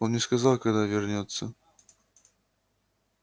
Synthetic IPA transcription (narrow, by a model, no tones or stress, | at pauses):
onnʲɪskɐzalˠkɐɡd̪avʲɪrnʲot̪sːə